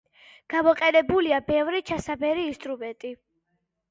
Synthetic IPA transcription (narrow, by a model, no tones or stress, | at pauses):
ɡ̥amɔqʼɛnɛbuliabɛvɾit͡ʃʰasabɛɾiːst̪ʼɾumɛnt̪ʼi